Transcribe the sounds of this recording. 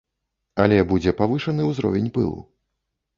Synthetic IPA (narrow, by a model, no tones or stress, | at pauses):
ɐlʲɛbud͡zʲɛpavɨʂɐnɨwzɾɔ̰vʲɛnʲpɨ̰lˠṵ